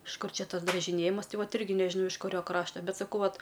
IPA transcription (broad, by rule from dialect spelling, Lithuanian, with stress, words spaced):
ɪʃ ˈkʊr ˈt͡ʃʲɛ ˈtɐs drɐʒʲɪˈnʲeːjɪmɐs ˈtɐɪ ˈʋɐt ˈɪrʲɡʲɪ nʲɛʒʲɪˈnɐʊ ɪʃ kʊˈrʲoː ˈkrɑːʃtɐ ˈbʲɛt sɐˈkɐʊ ˈʋɐt